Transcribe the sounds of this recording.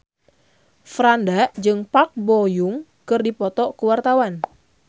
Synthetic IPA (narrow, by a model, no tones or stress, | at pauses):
fɾandaʔd͡ʒɨŋpak̚bojʊŋ | kɨrdipɔt̪ɔʔkuwart̪awan